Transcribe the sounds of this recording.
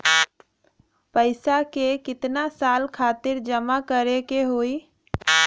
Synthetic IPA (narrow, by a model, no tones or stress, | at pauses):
pəɪsakekɪt̪nasalkʰat̪ɪɾd͡ʒəmakəɾekeɦoi